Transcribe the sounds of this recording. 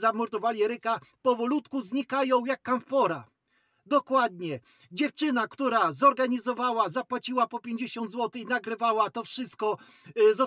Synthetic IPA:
zamɔɾt̪ɔvalʲjiɛɾɘkapɔvɔlut̪kuzɲikajɔ̃w̃jakːamfɔɾa | d̪ɔkwad̪̚ɲɛ | d͡ʑɛft͡ʂɘnakt̪uɾazɔɾɡaɲizɔvawazapwat͡ɕiwapɔpʲjeɲd͡ʑeɕɔnd̪zwɔt̪ɘinaɡɾɘvawat̪ɔfʂɘst̪̚kɔ | zɔ

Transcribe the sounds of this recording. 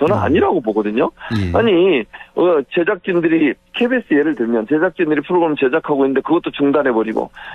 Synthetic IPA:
t͡ɕʌnɯna̰ɲiɾaɡoboɡʌdɯɲoaɲiʌt͡ɕe̞d͡ʑak̚t͡ɕ͈indɯɾi | kʰe̞bes͈ʰɯje̞ɾɯɭtɯɭmjʌnt͡ɕe̞d͡ʑak̚t͡ɕ͈indɯɾipʰɯɾoɡɯɾʌmɯɭt͡ɕe̞d͡ʑakʰaɡoinːɯnd̪e̞kɯɡʌt͈̚ot͡ɕuŋdanɦe̞bʌɾiɡo̰

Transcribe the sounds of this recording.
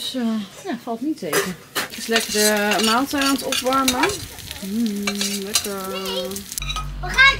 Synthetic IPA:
səjafɑlˠtnitʰejkə | tɪslɛkərəmaːlˠtaantɔpʋaɹmə | lɛkəɹ | əχa

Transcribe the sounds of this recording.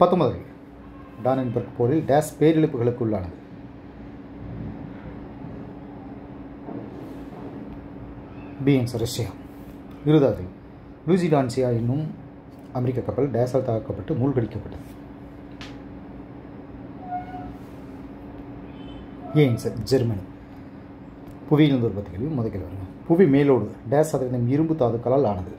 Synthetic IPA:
pɐt̪ːɯmɐðɐlɪ̰ɐ | ɖaːnɐnbɐɾɡpoːɾɪlɖaːspeːɾɪɭɯpːɯɣɐɭɯkːɯʊɭːaːnɐðɯ | biensɐɾɐsɐjaː | ɪɾɯðaːðɪl | luːsiɖaːnsijaːjɪnːɯm | ɐmɛɾɪkːakːɐpːɐlɖeːsalt̪aːkːɐpːɐʈːɯmuːlkɐɽɪkːɐpːɐʈːɐðɯ | jeːnsɐɾd͡ʒɛɾmɐni | pʊʋiɪlɯnd̪ʊɾbɐːt̪ːɯkɐɭjɯmːɔðɐkːɐlʋɐɾɯŋɡɐpʊʋimeːloːɽɯɖeːsaːðɪɾɐnɐmɪɾɯmbɯt̪ːaːðɯkːɐlaːlaːnɐðɯ

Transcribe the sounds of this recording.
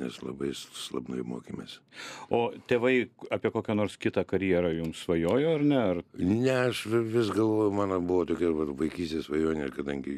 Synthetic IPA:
nʲɛ̰slˠɐ̰bɐɪsslˠɐbnɐjɪmoːkʲɪmʲḛsʲoːt̪ʲeːʋɐɪɐːpʲiɛkoːkʲɛnoːɾskʲɪt̪ɐːkɐɾʲjiɛɾɐjʊmsʋɐjoːjoːɐrnʲɛɐrnʲɛɐʃʋʲɪsɡɐlˠʋoːjʊmɑːnobʊʋoːt̪oːkʲɛʋɐtʋɐɪkʲiːsʲt̪ʲeːsʋɐjoːnʲekɐd̪ɐŋʲɡʲɪ

